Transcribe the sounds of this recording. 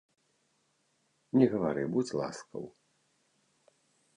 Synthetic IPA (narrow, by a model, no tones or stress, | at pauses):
nʲɛɣɐvaɾɨbut͡sʲlˠa̰skɐ̰w